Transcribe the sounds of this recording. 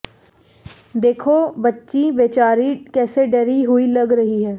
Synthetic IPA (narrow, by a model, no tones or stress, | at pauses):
d̪eːkʰoːbətːʃiːʋeːt͡ʃaːɾiːkɛːseɖəɾiɦʊiːləɡɾəɦiːɦɛː